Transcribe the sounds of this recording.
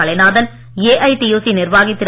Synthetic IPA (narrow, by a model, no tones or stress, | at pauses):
ɐɭɐnaːðɐn | eːʔɐɪʈijuːsinɪrʋaːɣɪt̪ːɪɾ